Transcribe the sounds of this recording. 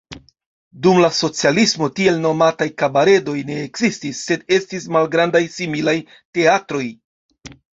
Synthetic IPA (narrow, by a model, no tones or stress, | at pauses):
dumlaso̞t͡sialismo̞tie̞lno̞matajkabaɾe̞do̞jne̞ːkzistisːe̞de̞stismalɡɾandajsimilaj | te̞atɾo̞j